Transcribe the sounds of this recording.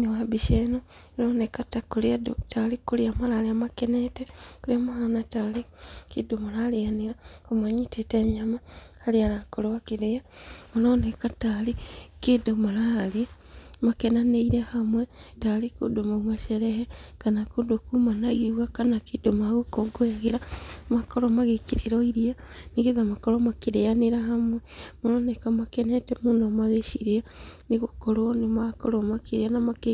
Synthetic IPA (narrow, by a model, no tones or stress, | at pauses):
niwabiʃeno | noːnekatakuladotalikuliamalaliamakenetekuliamahanatalikidomalalijanilakumaɲitʰiteɲamahalialakolwakiɾejamoloːnekatalikidomalali | makenaneiɾehamwetaɾeko̰domomaʃɛɾɛɦɛkanakodokumanaɣiuɣakanakedomaɣokoɡoeɣeɾamakoɾomaɣekeɾeɾoiɾianiɣeðamakoɾomakeɾejaneɾahamwɛmonɔːnɛkamakɛnɛtɛmunomaðeʃiɾeaneɣokoɾwonemakoɾomakeɾeanamake